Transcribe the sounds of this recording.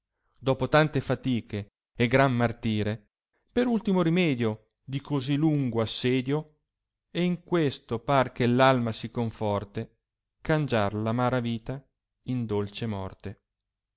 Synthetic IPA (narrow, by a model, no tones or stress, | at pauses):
d̪ɔːpot̪ant̪efat̪iːkeː | ɡɾammart̪iːɾe | peɾult̪imoɾimɛːd̪jo | d̪ikozilːuŋɡoasːɛːd̪jo | ɛiŋkwest̪opark̟elːalmasikoɱfɔrt̪e | kand͡ʒarlamaːɾaviːt̪a | ind̪olt͡ʃemɔ̰rt̪e